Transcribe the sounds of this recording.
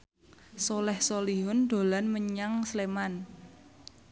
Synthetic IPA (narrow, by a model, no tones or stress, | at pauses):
solɛhsoliɦʊnd̪̥o̤lanməɲaŋsleman